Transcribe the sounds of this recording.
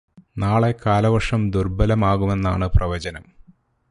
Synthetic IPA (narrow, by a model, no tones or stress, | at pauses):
naːɭe̞kaːlɐʋɐʂɐmd̪urbɐlɐmaːɣume̞nːaːɳɨprʔɐʋɐd͡ʑɐnɐm